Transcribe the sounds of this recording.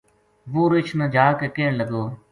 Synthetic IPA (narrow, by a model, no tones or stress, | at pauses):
ʋuːɾɪt͡ʃʰnəd͡ʒʱaːkeːkeːɳləɡoː